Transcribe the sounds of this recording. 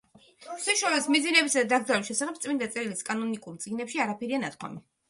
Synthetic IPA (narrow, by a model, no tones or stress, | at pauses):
sɛʃalɛsmizinɛbisad̪ad̪aɡd̪zaɾɛʃɛsaχɛp̚t̪sʼmind̪at̪sʼɛɾiliskʼanɔnikʼuɾt̪sʼiɡnɛpʃiaɾapʰɛɾianat̪̚ʰkʰwa̰mi